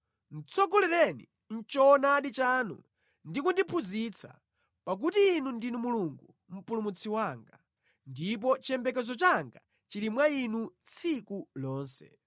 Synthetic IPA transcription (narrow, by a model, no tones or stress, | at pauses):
n̩t͡sʰɔkɔlɛlɛnḭ | n̩t͡ʃɔnaɗit͡ʃanṵ | ndikundipʰuzit͡sʰa̰ | pak̬utiːnundinumuluŋɡu | m̩pulumut͡sʰiwaːŋɡa | ndip̬ɔt͡ʃɛmbɛkɛzɔt͡ʃaŋɡa | t͡ʃilimwainut͡sʰikulɔːnsɛ̰